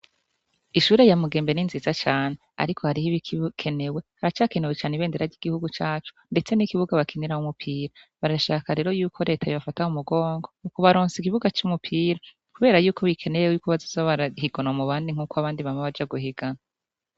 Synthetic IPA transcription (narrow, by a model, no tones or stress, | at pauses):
iʃuːɾe̞jamuɡeːmbe̞ninzizat͡ʃaːnea̰ɾikʰo̞haɾihiβikʰkʰe̞ne̞we̞haɾat͡ʃaːke̞newet͡ʃaːneβe̞ːndeɾaɾɟiɡ̥ihuɡut͡ʃaːt͡ʃu̥nde̞t͡se̞nikiβuɡaβakʰiniɾahumupʰiːɾa | βaɾaʃaːkaɾe̞ːɾo̞juːkʰo̞ɾe̞ːtʰajoβafatahumuɡo̞ːŋɡomukuβaɾoːnsikiβuɡat͡ʃumupʰiːɾa | kuβeːɾajuːko̞βikʰe̞newewjuːkoβazizaβaɾahiɡonamuβaːndiŋ̥uːkoaβaːndiβamaβad͡ʒaɡuhiɡana